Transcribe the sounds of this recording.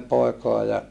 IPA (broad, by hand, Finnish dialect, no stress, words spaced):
poˑikoɑ jɑ